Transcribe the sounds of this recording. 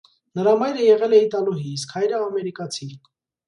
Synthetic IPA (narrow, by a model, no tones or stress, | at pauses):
nəɾɑmɑjɾəjɛʁɛlɛit̪ɑluɦiːskhɑjɾəɑmɛɾikɑt͡sʰi